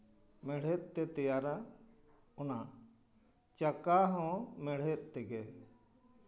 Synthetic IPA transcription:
mɛɽ̤ɛt̪̚ˀt̪ɛt̪ɛjaɾa | kɔna | t͡ʃakaɦɔ̃mɛɽ̤ɛt̪̚ˀt̪ɛɡɛ

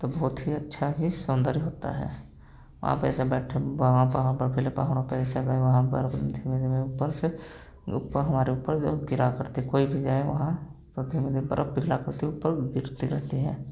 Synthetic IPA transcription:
t̪obɔːt̪ɦiɐtːʃʰaɦisʊnd̪əɾiɦoːt̪a̰ɦɛ̰ː | ʋɐ̰ɦã̰pɛ̰ːsebɛːʈʰebɦãpaːɦbɐɾpʰɪlepa̰ːɦɽ̃opɛːseɡəeʋɐɦãbə̰ɾəbd̪ʱimed̪imeupːəɾse | ʊ̰pːəɦɐmaːɾeuːpːəɾd͡ʒoɡɪɾakəɾt̪iɦɛkoːibʱid͡ʒaːeʋɐ̰ɦãt̪od̪ʱimed̪ibɐ̰ɾʔəb̚bɪɡʱlakɐɾt̪iʊpːəɾɡɪɾt̪iɾɛɦt̪iɦɛː

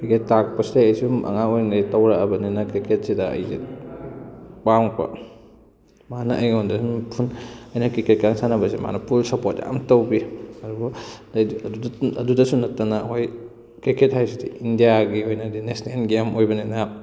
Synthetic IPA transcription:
ketak̚pɐsdeɐjsumʔɐ̰ŋaojnetɐwɾaɐbɐninɐkɾiket̚sidɐɐ̰jzḭ | k͡paŋpɐ̰ | manɐʔɐjɡɔndasumpʰunɐjnɐkɾiket̚kaŋsanɐbɐsema̰nɐpulsɐpotja̰mtɐwbiɐɾubu | duɐdudɐsunɐtːanaɦoj | kɾiket̚ɦajsidḭindijaɡiojnɐdinesnelɡemojbɐninɐ

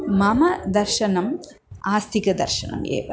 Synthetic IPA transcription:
mɐmɐd̪ɐɾʃɐnɐmaːst̪ʰikɐd̪ɐrʃɐnɐ̰mʔḛːʋɐ

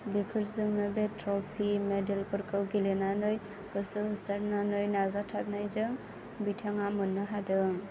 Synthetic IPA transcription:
bipʰɯɾzɯŋnɯbetʰɾɔpʰimedelpɯɾkɯwɡilenanɯj | ɡ̥ɯsɯhɯsaɾnanɯjnazatʰat̚najzɯŋ | bitʰaŋamɯnːɯɦadɯŋ

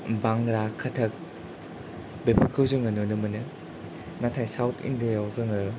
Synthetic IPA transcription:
baŋɾakʰɐtʰɐk̚ | bepʰɯkʰɯwzɯŋɯnonɯmɯnɯ | natʰajsawtʰḭndejawzɯŋɯ

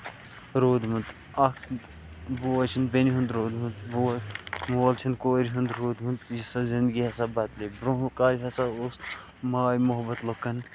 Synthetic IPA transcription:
ɾoːd̪mund̪ | ɐkd̪ | boɐt͡ʃʰind̪̚beniɦund̪ɾoːd̪mund̪bomoːlt͡ʃʰɐnkoːɾiɦund̪ɾoːd̪mund̪jisazind̪ɡiɦɐsɐbɐt̪lebɾoɦũkaːɾiɦɐsaos | maːjmoɦbɐt̪lokːɐn

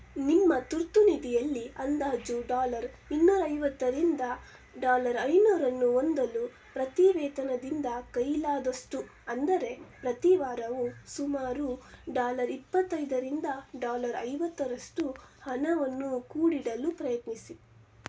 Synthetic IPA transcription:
nimːɐt̪uɾt̪unid̪ijɐlːiɐnd̪aːd͡ʒuɖaːlɐɾ | inːuːɾɐjʋɐt̪ːɐɾind̪ɐ | ɖaːlɐɾɐjnuːɾɐnːuond̪ɐlu | pɾɐt̪iʋɛːt̪ɐnɐd̪ind̪ɐkɐjlaːd̪ɐʂʈu | ɐnd̪ɐɾe̞pɾɐt̪iʋaːɾɐʋusumaːɾuɖaːlɐɾipːɐt̪ːɐjd̪ɐɾind̪ɐɖaːlɐɾɐ̰jʋɐt̪ːɐɾɐʂʈuhɐnɐʋɐnːukuːɽiɽɐlupɾɐjɐt̪nisi

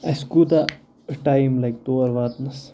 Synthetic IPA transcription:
ajskud̪a | ʈajmlajk̚t̪oɐɾʋaːt̪nɐs

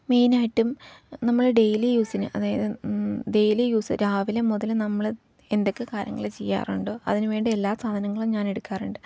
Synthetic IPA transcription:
miːnaːjiʈːumnɐmːɐɭɖe̞jlijuːsinɨ̰ʔɐðaːjɐðɨɖe̞jlijuːsɨɾaːʋilemuðɐlnɐmːɐɭ | end̪o̞kːekaːɾjɐ̰ŋːɐ̰ɭet͡ɕejːa̰ːruɳɖoːɐ̰ðinɨʋe̞ːɳɖie̞lːaːsaːd̪ʱɐnɐŋːɐɭumɲaːne̞ɽukːaːruɳɖɨ

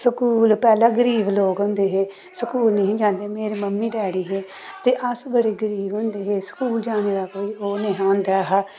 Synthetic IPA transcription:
səkuːlpɛːlãːɡəɾiːbloːɡɦʊ̃nd̪eːɦeː | səkuːlnə̃ɦĩːd͡ʒãːnd̪eːmeːɾeːməmːiːɖɛːɽiːɦeː | t̪eːʔəsbəɽeːɡəɾiːbɦʊ̃nd̪eːɦeːsə̥kuːld͡ʒaːɽ̃eːd̪aːkoːiːoːnẽːɦãːnd̪aːɦ

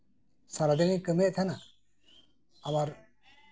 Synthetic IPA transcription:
saɾad̪ɛŋikəmɛʔt̪ʰana | amaɾ

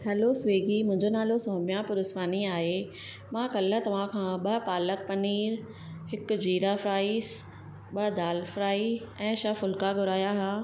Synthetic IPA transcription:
ɦɐlosʋeːɡimʊ̃ɦɪ̃ɲd͡ʑonaːlosɔːmijãpʊɾʊsʋaːniaːɦe | mãkɐlə̆t̪ɐʋ̤ãkʰãɓɐpaːlək̚pɐniːɾ | ɦɪkʊ̆d͡ʑiːɾafɾaːis | ɓɐd̪aːlfɾaːiɛ̃ːʃafʊlkaɡʱʊɾaːjaɦaː

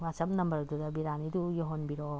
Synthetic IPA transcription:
masɐp̚nɐmbɐɾɐdudɐbiɾanidujɔɦonbiɾo

